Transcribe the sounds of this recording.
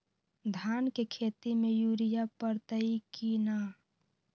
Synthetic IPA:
d̪ʱaːnkekʰeːt̪imejuːɾijapəɾt̪əikina

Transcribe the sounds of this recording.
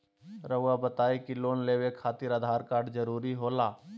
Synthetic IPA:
ɾəʋwabɐt̪aːekiloːnleːwekʰaːt̪ɪɾəd̪ʱaːɾkaːɾɖd͡ʒəɾuːɾiɦoːlaː

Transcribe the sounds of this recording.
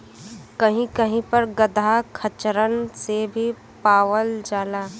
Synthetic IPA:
kɐɦĩkəɦĩpɐɾɡəd̪ʱakʰət͡ʃɾənsebʱi | paːʋəld͡ʒaːlaː

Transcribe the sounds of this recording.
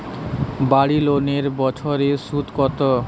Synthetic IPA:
baɽiloneɾbɔt͡ɕʰoɾeʃut̪kɔt̪o

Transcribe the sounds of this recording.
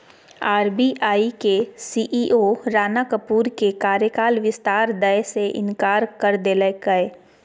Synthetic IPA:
aːɾbiʔaːikesiːʔiːʔoɾaːnakəpuːɾkekaːɾjəkaːlʋɪst̪aːɾd̪əjseʔɪ̰̃nkaːɾkəɾd̪eːləkəe

